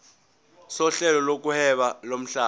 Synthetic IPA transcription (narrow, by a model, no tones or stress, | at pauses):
sɔɬɛlɔlok̬uhɛɓalom̩ɬaː